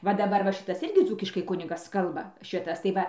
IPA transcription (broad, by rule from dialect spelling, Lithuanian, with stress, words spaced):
ʋɐ dɐˈbɐr ˈʋɐ ˈʃʲɪtɐs ˈɪrʲɡʲɪ ˈd͡zuːkʲɪʃkɐɪ ˈkʊnʲɪɡɐs ˈkɐlˠbɐ ˈʃʲɪtɐs tɐɪ ˈʋɐ